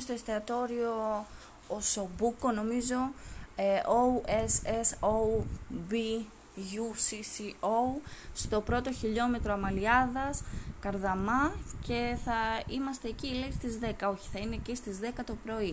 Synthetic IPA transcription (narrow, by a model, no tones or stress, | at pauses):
st̪oest̪eɐt̪o̞ɾio̞ː | so̞buko̞no̞mizo̞eouesesoubi | ʝusisiost̪o̞pɾo̞t̪o̞çiʎo̞me̞t̪ɾoɐmɐliɐðɐskɐɾðɐmɐce̞θɐimɐst̪e̞ːcileist̪izðe̞kɐo̞çi̥θɐine̞cist̪izðe̞kɐt̪o̞pɾo̞i